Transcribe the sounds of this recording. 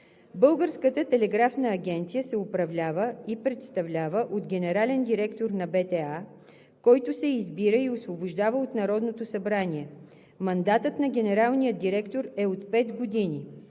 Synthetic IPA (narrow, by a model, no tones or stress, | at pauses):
bɤlˠɡəɾskət̪ət̪ɛlɛɡɾafnəːɡʲɛnt̪sijəsɛʊpɾɐvlʲavəipɾɛt̪st̪ɐvlʲavəʔot̪ɡʲɛnɛɾalɛnd̪iɾɛkt̪oɾnɐbɛt̪ɛa | kɔjt̪ʊsɛizbiɾəiosvobʊʒd̪avəot̪nɐɾɔd̪not̪osɐbɾaniɛ | mɐnd̪at̪ət̪nɐɡʲɛnɛɾalˠnijəd̪d̪iɾɛkt̪oɾɛot̪pɛt̪ɡod̪ini